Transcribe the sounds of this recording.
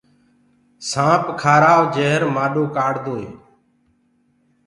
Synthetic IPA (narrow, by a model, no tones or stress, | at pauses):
sãːpkʰaːɾaːʋd͡ʒeːɦɾmaːɗoːkaːɽd̪oːeː